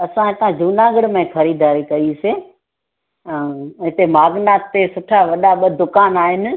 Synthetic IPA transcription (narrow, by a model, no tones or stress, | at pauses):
ɐsãɦɪt̪ãd͡ʒuːnaːɡəɽmẽxʰɐɾiːd̪ʱaːɾikɐise | ɦɪt̪emaːɡnaːt̪t̪esʊʈʰaʋɐɗaɓəd̪ʊkaːnaːɦɪnɪ̆